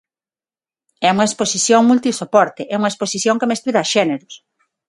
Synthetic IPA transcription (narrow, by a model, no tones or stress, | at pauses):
ɛuŋɐesposiθjoŋmult̪isopɔɾt̪eʔɛuŋɐesposiθjoŋkemest̪uðɐʃɛneɾʊs